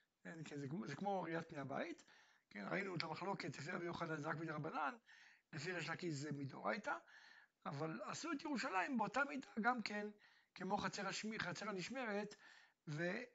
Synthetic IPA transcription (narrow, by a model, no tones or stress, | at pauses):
enkenzekzekmo̞ʁiat̪̚pnejaba̰it | kenʁa̰inuetamaχlo̞ke̞tlefiabejuχadazʁakmidaʁabananlefiʁeʃnakizemido̰ʁa̰jtaː | valasuetjeʁuʃalaimbeo̞tamidaɡamke̞n | kemo̞χat͡seʁaʃmiχat͡seʁaniʃme̞ʁe̞t̪ | ve